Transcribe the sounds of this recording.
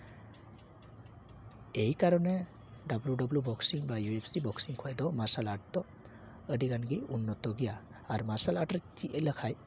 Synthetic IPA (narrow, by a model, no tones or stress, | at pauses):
ejkaɾɔne | ɖabljuɖɔblubɔksiŋbajuepʰsibɔksiŋkʰɔjd̪ɔmasalaʈ̚t̪ɔ | əɖiɡanɡiunːɔt̪ɔɡija | aɾmasalaʈɾɛt͡ʃiʔələkʰaj